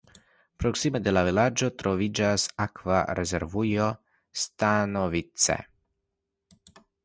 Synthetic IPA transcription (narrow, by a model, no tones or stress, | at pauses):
pɾɔksimɛd̪ɛlavɛlad͡ʒɔt̪ɾovid͡ʒasakvaɾɛzɛɾvujɔ | st̪anɔvit̪sɛ̰